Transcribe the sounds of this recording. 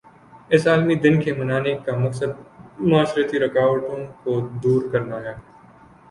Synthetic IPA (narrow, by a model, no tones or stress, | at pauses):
ɪsaːlmid̪ɪnkemɐnaːnekamɐksəd̪̚mʊaːsɾət̪iɾɐkaːʋəʈõkod̪uːɾkɐɾnaːjaː